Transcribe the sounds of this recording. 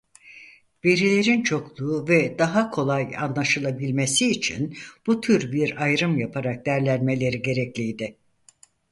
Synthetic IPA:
ve̞ɾilʲe̞ɾint͡ʃʰo̞klˠuːvɛd̪aɦakʰo̞lˠaja̰nlˠaʃɯlˠabilʲme̞siːt͡ʃʰḭnb̥ut̪ʰyɾbiɾajɾɯmjapʰaɾak̚d̪æɾlʲænme̞lʲe̞ɾiɟe̞ɾɛclʲijd̪ɪ

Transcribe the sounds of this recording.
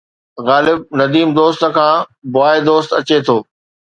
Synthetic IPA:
ɣaːlɪb̚nɐd̪iːmd̪oːst̪ə̆kʰãːbʊaːed̪oːst̪ɐt͡ɕet̪ʰoː

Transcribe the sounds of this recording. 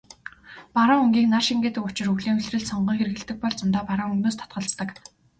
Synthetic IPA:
paɾaːŋɵŋɡʲiːknarʃiŋɡeːt̪ɘ̆kʊt͡ɕɪ̆rɵɣɮiːŋɵɮrɘ̆ɮsɔɴɢiːŋxerɘ̆ɣɘ̆ɮt̪ɘ̆k̚pɔɮt͡sʊnt̪aːpaɾaːŋɵnoːst̪ʰɔ̥t̪ɢə̆ɮt͡st̪ə̆k

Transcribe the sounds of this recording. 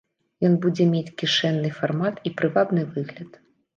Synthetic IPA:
jɔnbud͡zʲɛmʲet͡sʲkʲiʂɛnːɨfarmat̪ipɾɨvab̪nɨvɨɣlʲɐt̪

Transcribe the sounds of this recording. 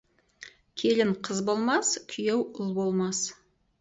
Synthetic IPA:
kʲʰe̞lɪŋqʰəzbo̞lˠmɑskʲʰʏjewʊlˠbo̞lˠmɑs

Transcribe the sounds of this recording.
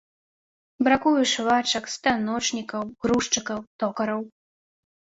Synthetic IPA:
bɾakujuʂvat͡ʂɐkst̪anɔt͡ʂnʲikɐwɣɾuʂt͡ʂɨkɐwt̪ɔkɐɾɐw

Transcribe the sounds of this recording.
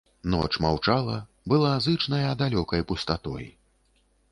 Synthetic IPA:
nɔ̰t͡ʂmawt͡ʂalˠɐ | bɨlˠazɨt͡ʂnɐjɐd̪alʲɔkɐjpust̪at̪ɔ̰j

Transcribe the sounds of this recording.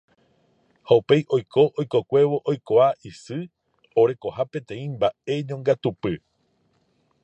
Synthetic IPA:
haupe̞jʔo̞jkʰo̞ʔojko̞kʷe̞ʋo̞ʔojkoaʔisɨ | o̞ɾe̞ko̞hapẽ̞t̪ẽ̞ĩmbae̞ɲõŋɡat̪upɨ

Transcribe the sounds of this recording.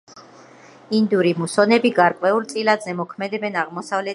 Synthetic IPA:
ind̪uɾimusɔnɛbiɡaɾkʼwɛulˠt̪sʼilad̪zɛmɔkʰmɛd̪ɛbɛnaʁmɔsavlɛ

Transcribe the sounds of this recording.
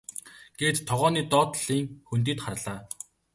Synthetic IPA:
ɡ̥et̪t̪ʰːɔʁɔːniːt̪ɔːt̪ɮiːŋxɵnt̪̬iːt̪χarɮaː

